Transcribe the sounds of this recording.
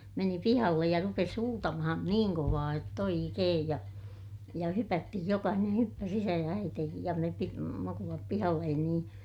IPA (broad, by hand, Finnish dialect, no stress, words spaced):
meni pihɑlːej jɑ rupes huːtɑmɑhɑn niːŋ koʋɑː jotː oikeːj jɑ jɑ hypætːihij jokɑhineː hypːæs isæ jɑ æiteːkij jɑ me pi mukulɑp pihɑlːen niːn